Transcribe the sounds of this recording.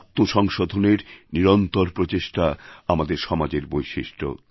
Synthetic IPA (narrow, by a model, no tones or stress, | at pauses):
t̪ːoʃɔŋʃod̪ʱoneɾniɾont̪oɾpɾot͡ɕeʃʈaamad̪eɾʃɔmad͡ʑeɾbojʃiʃʈʰo̰